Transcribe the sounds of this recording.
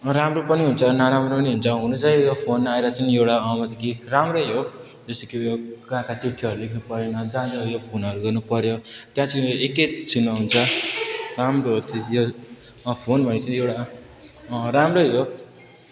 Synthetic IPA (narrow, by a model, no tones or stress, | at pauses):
ramropʌniɦunt͡sʰʌnaɾamropʌniɦunt͡sʰʌɦunut͡sʌijopʰonaeɾʌt͡sʌniewɽaʌmʌt̪ikiramrʌɦo | d͡zʌst̪ikijoɡãkat͡siʈʰːiʌɾulikʰnupʌɾjonʌd͡zãd͡zʌjopʰonʌɾuɡʌrnupʌɾjot̪jãt͡sieket͡sinːʌɦunt͡sʰʌ | ramroɦt̪ʰijo | pʰonbʱʌnet͡sʌĩewɽa | ɾamroɦo